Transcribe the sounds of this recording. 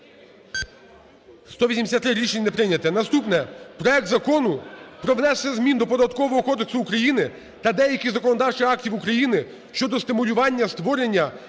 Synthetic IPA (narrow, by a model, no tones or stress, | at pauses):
st̪ɔʋʲisʲimd̪ʲsʲat̪ːɾɪɾʲiʃenʲinepɾɪnʲɐt̪ɛnɐst̪upnɛpɾɔɛk̚t̪zɐkɔnʊpɾɔʋnɛsːɐzmʲind̪ɔpɔd̪ɐt̪kɔʋɔɦɔkɔd̪eksʊːkɾɐjinɪ | t̪ɐd̪ɛjɐkʲizɐkɔnɔd̪ɑwt͡ʃɪɑktʲiwukɾɐjinɪ | ʃt͡ʃɔd̪ɔst̪ɪmʊlʲʊʋɑnʲːɐst̪ʋɔɾenʲːɐ